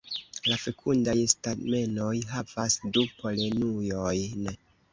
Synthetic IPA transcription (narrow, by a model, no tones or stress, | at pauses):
lafe̞kʰundajstame̞no̞jɦavasdupo̞le̞nujo̞jn